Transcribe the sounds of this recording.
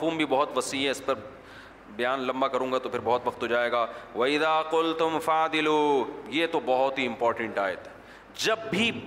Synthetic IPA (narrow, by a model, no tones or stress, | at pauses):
fuːmbʱibɔɦʊt̪ʋɐsiɦɛɪspɐɾ | bɐjaːnlɐ̃mbakɐɾũːŋɡat̪opʰɪɾbɔɦɔt̪ʋɐkt̪ɦod͡ʒaːeːɡaːʋɐɪðaːqʊlt̪ʊmfaːd̪ɪluːjeːt̪obɐɦʊt̪ɦiɪ̃mpɔːɾʈə̃ɳʈaːɪt̪ | d͡ʒɐbːʱi